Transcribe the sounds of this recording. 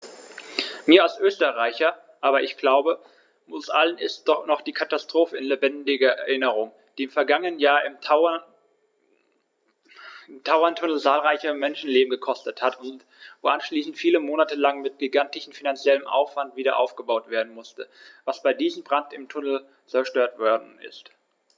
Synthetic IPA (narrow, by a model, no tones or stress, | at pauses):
miːɐalsʔøːstəʁaɪçɐ | ʔaːβɐɪçɡ̥laʊbə | ʊsʔalənɪst̚d̥ɔχnɔχd̥iːkʰatastʁ̥oːfəɪnlebɛndɪɡɐɛ̰ɐʔɪnəʁʊŋ | d̥iːɪmfɛɐɡaŋənənjaːɐʔɪmʰʊɐ | ɪmtʰaʊɐntʰʊnl̩t͡saːlʁaɪçɐmɛnʃn̩leːbm̩ɡəkʰɔstəthatʰʊnt | voːʔanʃliːsn̩tfiːləmoːnatəlaŋmɪt̚ɡ̥iɡantɪʃn̩finant͡sjɛləmʔa̰ʊfv̥antv̥iːdɐ̰ʔa̰ʊfɡ̥əbaʊtv̥eːɐdn̩mʊstəvasb̥aɪdiːzm̩bʁantɪmtʰʊnl̩ | t͡sɛɐʃtøːɐtv̥ɔɐdn̩ɪ̰st